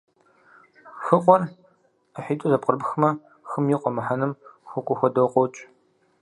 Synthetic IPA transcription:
xɨqʷʼɔr | əħiːtʼuzɐp̚qʼərbxɨmɐ | xɨmjiːqʷɔmɐħanɨmxʷʊkʷʼʊxʷɔdowqʷʼɔwt͡ʃʼ

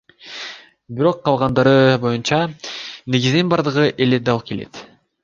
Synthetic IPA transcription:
biɾo̞qːɑlˠʁɑnd̪ɑɾɯbo̞junt͡ʃɑne̞ɡʲizninbɑɾd̪ɯʁɯʔe̞ld̪eɾd̪ɑlˠp̚ke̞le̞̰t̪

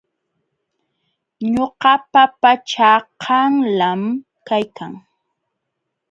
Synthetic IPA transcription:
ɲoɢɑpapat͡ʃaqʰɑŋlam | kajkaŋ

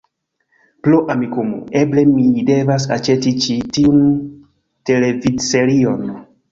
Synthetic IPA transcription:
ploʔamikumṵʔe̞ble̞mide̞vas̬a̰t͡ʃe̞tit͡ʃitiun | te̞le̞vidse̞ɾio̞n

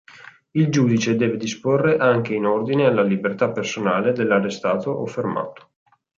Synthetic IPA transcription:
ild͡ʒuːd̪it͡ʃed̪ɛːved̪isporːeʔaŋk̟einord̪inealːalibert̪apːersonaːled̪elːarest̪aːt̪oʔofːerma̰ːt̪o̥

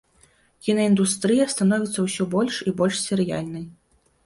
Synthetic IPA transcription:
kʲinɐind̪ust̪ɾɨjɐst̪anɔvʲit̪sːɐwsʲɔbɔlʲʂibɔlʲʂsʲɛɾɨja̰lʲnɐj

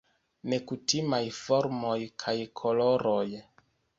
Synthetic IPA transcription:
ne̞kutimajfo̞ɾmo̞jkʰajkʰo̞lo̞ɾo̞j

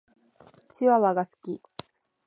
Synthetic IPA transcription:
t͡ɕiβaβaɡasɨ̥kʲi

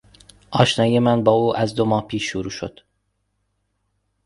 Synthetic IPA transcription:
ʔɒːʃnɒːjemænbɒːuːʔæzd̪omɒːhpʰiːʃːuɾuːʃo̰d̪̥

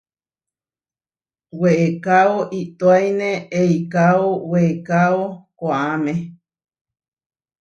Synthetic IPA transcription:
weekaoʔit̪oajnẽeikaoweekaokoamẽ

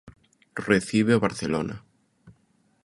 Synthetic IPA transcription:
reθiβ̞eaβaɾθelo̰na̰

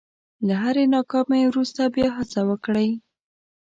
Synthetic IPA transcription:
laɦaɾenɑkɑmewɾust̪abjɑɦasawəkɽəj

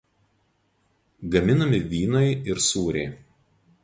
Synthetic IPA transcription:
ɡɐmʲɪnɐmʲɪʋʲiːnɐɪɪɾsuːɾʲɛɪ

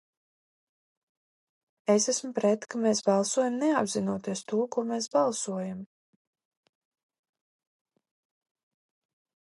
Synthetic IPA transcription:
esæsmpɾɛt̪kameːsbɑlˠsuɔjamneabzinuɔt̪iɛst̪uɔkuɔmeːsbɑlˠsuɔjam

